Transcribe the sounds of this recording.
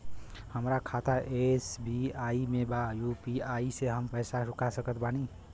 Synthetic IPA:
həmɾakʰat̪ʰaʔesbiaimebajupiaiseɦəmpəjsaɾukasəkət̪ʰbani

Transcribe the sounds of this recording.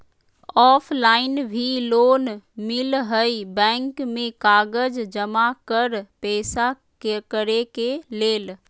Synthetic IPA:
ɔːfʰlaːɪnbʱiloːnmɪlɦəibɛ̃ːŋkmẽkaːɡəd͡ʒd͡ʒəmakəɾpɛːsa | kekəɾekeleːl

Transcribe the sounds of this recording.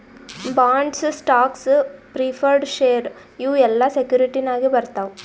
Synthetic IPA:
baːɳɖssʈaːkspɾipʰɐɾɖʃeːɐɾ | uːɛlːɐsekjuːɾiʈinaːɡibɐɾt̪aːʋu

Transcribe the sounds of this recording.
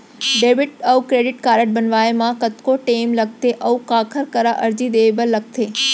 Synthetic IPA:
ɖeːbɪʈəʋkɾeːɖɪʈkaːɾəʈ̚bənʋaːemãkət̪koʈeːmləɡ̚t̪eʔɐʋkakʰəɾkəɾaʔəɾd͡ʒid̪ebəlːəɡ̚t̪ʰeː

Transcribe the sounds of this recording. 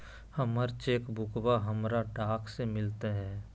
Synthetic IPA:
həməɾt͡ʃeːkbʱʊkbaɦəmɾaɖaːkʰsemɪlt̪eɦɛ̃ː

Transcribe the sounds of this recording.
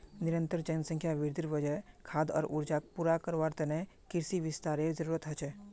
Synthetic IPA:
nɪɾə̃nt̪əɾd͡ʒənsə̃ŋkʰjaʋɪɾd̪iɾʋəd͡ʒəjkʰaːd̪ɔ̰ːɾṵɾd͡ʒaːk̚puɾakəɾʋaːɾt̪ənekɪɾsiʋɪst̪aːɾezəɾuːɾət̪ɦɐt͡ʃʰɛ

